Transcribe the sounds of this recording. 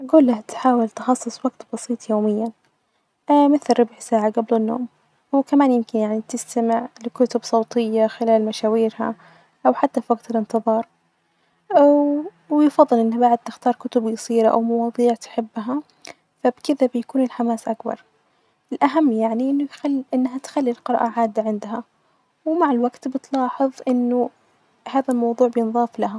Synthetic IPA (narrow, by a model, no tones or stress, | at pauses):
ʔaɡuːlːat̪ħaːwɪlt̪ɪxɑsˤːɨsˤwaɡ̚t̪bɑsiːt̪ˤjoːmɪjːa | mɪθlɾɪbʕsaːʕaɡablɪnːo̰ːm | wkamaːnjɪmkɪnjaʕnit̪ɪst̪amɪʕlɪkʊt̪ʊbsˤoːt̪ˤɪjːaxɪlaːlmaʃaːwiːɾha̰ | ʔawħat̪ːafiwaɡt̪ɪlɪnt̪ɨðˤɑːɾˤ | wjfɑðˤːɨlʔɪnːabaʕɪd̪̚t̪ɪxt̪ɑːɾˤkʊt̪ʊbjɨsˤiːɾaʔa̰wmɑwɑːðˤiːʕt̪ɪ̥ħɪbːɦa | fabkɪðabɪjakuːnɪlħamaːsʔakbɑ̰ɾˤ | ɪlʔaɦamːjaʕniʔɪnːʊxalʔɪnːɦat̪xalːilqɨɾːʔaʕaːd̪ːaʕɪnd̪ɦa | wmaʕɪlwaɡt̪bɪt̪lɑːħɨðˤʔɪnːʊ | haːðalmɑwðˤuːʕbjɪnðˤɑːflaɦa